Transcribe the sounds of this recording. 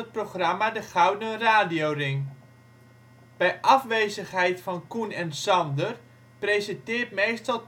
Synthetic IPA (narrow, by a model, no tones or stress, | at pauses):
ət̚proχramadəχawdəraːdijowrɪŋ | b̥ɛjʔɑfʋejzəχɦɛjtfɑnkunɛnsɑndər | prezəntɪːrtmejstɑlˠ